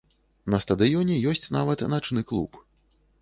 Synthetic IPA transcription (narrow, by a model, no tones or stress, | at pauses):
nɐst̪ɐd̪ɨjɔnʲɛjɔsʲt͡sʲnavɐt̪nat͡ʂnɨklˠṵp